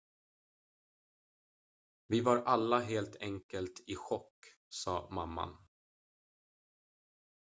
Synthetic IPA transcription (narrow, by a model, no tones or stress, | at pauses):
vɪvaɾʔalːaɦeːlt̪ʰɛŋkəlt̪ʰɪɧɔkː | sɑ̰ːmamːa̰n